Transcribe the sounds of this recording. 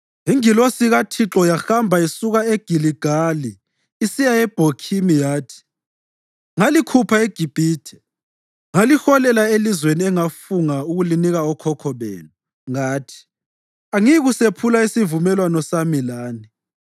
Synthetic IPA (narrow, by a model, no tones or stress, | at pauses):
ɦiŋilosiɣatʰiǁɔjaxambʱaisuɣaeɡ̥ʱiliɡ̥ʱaliː | sijaɛb̥ʱokʰimijaːtʰi̥ | ŋalikʰupʰaeɡ̥ʱib̥ʱiːtʰɛ̥ | ŋalixɔlɛlaelizweniɛŋafuŋauɣuliniɣaɔkʰɔkʰɔβḛːnu | ŋaːtʰi̥ | aŋiɣusepʰulaisivumɛlwanɔsamilaːni